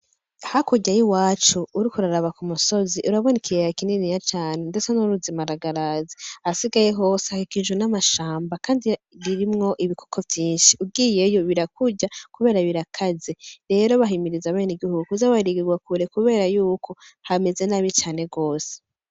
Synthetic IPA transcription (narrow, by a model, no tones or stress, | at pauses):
ahakuɟajiwaːt͡ʃuuɾikuɾaɾaβakumuso̞ziʔuɾaβo̞nikʰijeakininijat͡ʃaːne̞nde̞t͡senuɾuzimaɾaɡaɾaziasiɡaje̞ɦo̞sahikiʒwenamaʃaːmbakaːndi | ɾiɾimŋo̞ʔiβikʰo̥kʰo̞vjiːnʃiub̚ɡije̞joβiɾakuɟakuβe̞ːɾaβiɾakʰazeɾe̞ːɾo̞βaɦimiɾizaβeːniɡihuɡuuzaβaɾiɡiɡwakuɾe̞kuβe̞ːɾajuːkʰo̞hame̞ze̞naβit͡ʃaːne̞ɡo̞ːse̥